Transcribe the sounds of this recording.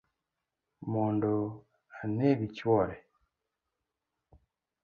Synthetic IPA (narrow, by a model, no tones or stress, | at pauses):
muːndu | aneβicwoɾe